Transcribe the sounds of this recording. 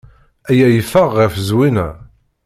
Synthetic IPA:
æjæjəfəʁːəfəzwinæ̰

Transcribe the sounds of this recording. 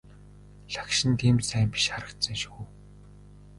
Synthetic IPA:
ɮḁkʃɪ̆nt̪ʰiːmsæːmpi̥ʃχaɾə̆kt̪sə̆ŋʃuː

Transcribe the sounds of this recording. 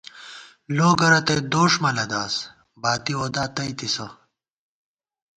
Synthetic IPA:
loːɡɐɾɐt̪ɐjd̪oːʂmɐlɐd̪aːs | baːt̪ioːd̪aːt̪ɐjt̪isɐ

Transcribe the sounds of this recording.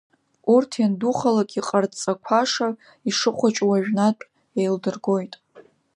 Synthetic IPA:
urtʰjanduχalakʼiqʼart͡sʼakʷʰaʂa | iʂɨχʷat͡ʃʷʼwaʒᶣnatʼ | ejldɨrɡo̞jtʼ

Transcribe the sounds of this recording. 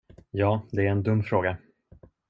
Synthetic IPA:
jɑːd̪ɛæɾɛnd̪ɵmːfɾoːɡa

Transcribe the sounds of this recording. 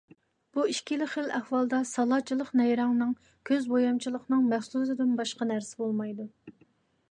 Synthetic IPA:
b̥uiʃkʲʰilɪχəlæhwɑlˠd̪ɑsɑlˠɑt͡ʃʰilˠəqnɛjɾɑŋnɨŋ | kʲʰøzbojɑmt͡ʃʰilˠəqnɨŋmæχsuzɨd̪ɪnbɑʃqɑnæɾsɪbolˠmɑjd̪u

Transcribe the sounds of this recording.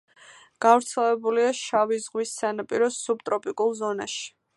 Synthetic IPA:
ɡ̥avɾt̪sʰɛlvɛbuliaʃavizʁwisːanapʼiɾɔsub̚t̪ʼɾɔpʼikʼulˠzɔna̰ʃi̥

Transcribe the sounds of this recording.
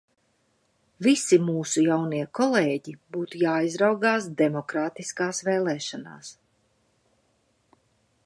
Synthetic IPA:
visimuːsujawniɛkɔlˠeːɟibuːt̪ujaːizɾawɡaːs̬d̪ɛmɔkɾaːt̪iskaːsvɛːlˠɛːʃana̰ːs

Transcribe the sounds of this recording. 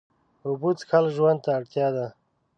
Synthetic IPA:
ubut̪xalʒwand̪̚t̪aːɽt̪jɑd̪a

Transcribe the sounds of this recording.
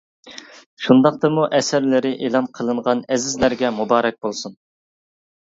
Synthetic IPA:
ʃund̪ɑq̚t̪ɨmuʔɛsæɾlɪɾɪʔelˠɑnqʰəlˠɨɴʁɑnɛzɪzlæɾɡʲɛmubɑːɾɛk̚ʲbolˠsun

